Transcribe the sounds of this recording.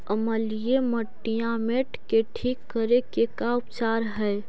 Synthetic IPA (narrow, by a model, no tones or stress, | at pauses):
əməlijeməʈːijãmeʈkeʈʰiːkːəɾekekaʊpt͡ʃaːɾɦɛj